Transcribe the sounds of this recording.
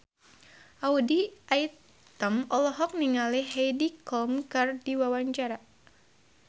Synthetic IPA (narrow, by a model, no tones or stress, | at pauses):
ʔaudiʔaj | t̪əmɔlɔɦɔk̚niŋaliɦejdikɔlmkərdiwawaɲt͡ʃaɾa